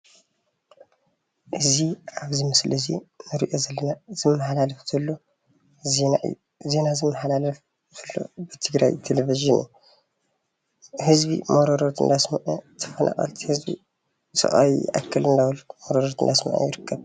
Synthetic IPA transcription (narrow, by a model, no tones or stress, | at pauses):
ʔɨziʔaβzimɨslɨzḭnɨɾiʔo̞zɐlːɐnaz̥ɨmːɐħalalɐfzʰɐlːo | zenaʔɨ̰jːu | ze̞nazɨmːɐħalalɐf | tʰɐlːo̞̰bɨt̪ʰɨɡɾa̰jt̪ʰeleviʒɨnṵ | hɨzbḭmoɾoɾot̪ɨ̰nd̪asmɐʔɐt̪ʰɐ̥fɐnʔa̰χʼɐ̰lt̪ʰihɨzbḭ | sʼɨ̰χʼa̰wiʔa̰kʰːɐlɨnd̪awɐlmoɾoɾot̪ɨnd̪asmɐ̰ʕɐ̰jɪɾɨkʰːɐβ